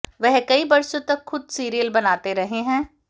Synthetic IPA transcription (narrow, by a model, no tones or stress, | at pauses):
ʋɛɦkɐibɐɾsõt̪ɐkxʊd̪siːɾijəlbɐnaːt̪eɾɐɦeɦɛ̃ː